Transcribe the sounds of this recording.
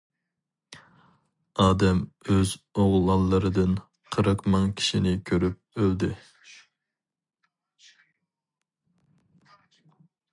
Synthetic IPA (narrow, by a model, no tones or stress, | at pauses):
ɑːd̪ɛmøzoʁlˠɑlˠːəɾɨd̪ɨn | qʰəɾəqmɨŋkʲʰi̥ʃinɪkʲʰøɾyp̚øld̪ɪ